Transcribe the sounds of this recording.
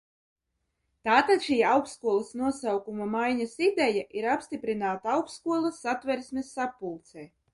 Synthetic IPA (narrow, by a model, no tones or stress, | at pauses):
t̪aːt̪at̪ʃiːawkskuɔlˠasnuɔsawkumamajɲasid̪ɛjaʔiɾapst̪ipɾinaːt̪aawkskuɔlˠasːat̪vɛɾsmʲɛsːapːulˠt̪sɛː